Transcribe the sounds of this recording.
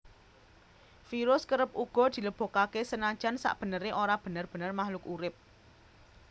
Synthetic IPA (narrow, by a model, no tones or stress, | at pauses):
fiɾʊskəɾəp̚uɡ̥ɔ̤d̪̥i̤ləb̥o̤kakesənḁʒ̥a̤nsa̰ʔb̥ə̤nəɾeʔoɾab̥ə̤nərb̥ə̤nərmahlʊkuɾɪp̚